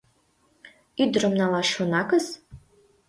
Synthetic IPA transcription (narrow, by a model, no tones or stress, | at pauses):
idrɨmnalaʃonakɐs